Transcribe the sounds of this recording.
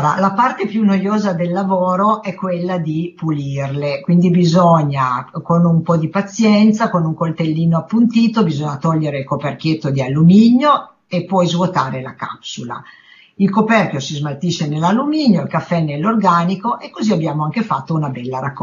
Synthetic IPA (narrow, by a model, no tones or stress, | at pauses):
ɾa̰lapart̪epjunːojoːzad̪elːavoːɾoʔɛkːwelːad̪ipulirlekwind̪ibizoɲːakonumpɔd̪ipat̪sːjɛnt̪sakonuŋkolt̪elːiːnoapːunt̪iːt̪obizoɲːat̪ɔʎːeɾeilkoperk̟jet̪ːod̪ialːumiɲjo | epːwɔjzvot̪aːɾelaka̰psula̰ | ilkopɛrkjosizmalt̪iʃːenelːalːumiːɲjoilkafːɛnelːorɡaːnikoʔekːoziabjaːmoaŋkefat̪ːounabɛlːaɾakː